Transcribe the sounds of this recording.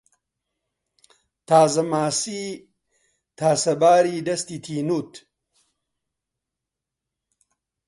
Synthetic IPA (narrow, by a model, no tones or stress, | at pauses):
t̪ʰaːzɐmaːsi | t̪ʰaːsɐbaːɾiːdɐst̪it̪ʰiːnuːt̪